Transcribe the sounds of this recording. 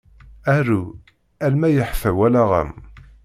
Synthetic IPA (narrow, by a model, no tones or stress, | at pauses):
æru | ælmæjəħfæwælæʁə̰m